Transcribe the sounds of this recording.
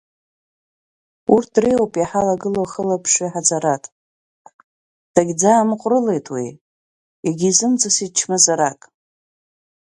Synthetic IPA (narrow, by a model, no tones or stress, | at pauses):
urtʰrejopʼjaħalaɡɨloχəlapʰʂiħad͡zaɾatʼ | d̥aɡʲd͡zaːmɨqʷʼrɨle̞jtʼwḭ | aɡʲizɨmd͡zasit͡ʃʰmɨzaɾakʼ